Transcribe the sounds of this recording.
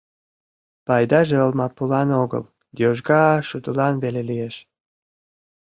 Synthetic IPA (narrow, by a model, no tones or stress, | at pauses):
pɑjd̪ɑʒeolmɑpulɑnoɣə̰l | d̪oʒɡɑʃud̪əlɑnβelelijeʃ